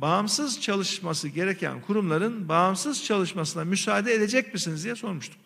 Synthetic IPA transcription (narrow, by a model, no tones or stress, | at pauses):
bamsɯzt͡ʃʰalˠɯʃmasɯɟe̞ɾecʰæ̰nkʰuɾumlˠaɾɯnbaːmsɯzt͡ʃʰalˠɯʃmasɯnamysaːd̪ɛed̪e̞d͡ʒɛc̚misinizd̪ijɛso̞ɾmuʃt̪ʰu̥